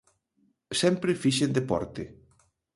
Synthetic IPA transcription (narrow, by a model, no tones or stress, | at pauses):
sɛmpɾefiʃend̪epɔ̰ɾt̪ɪ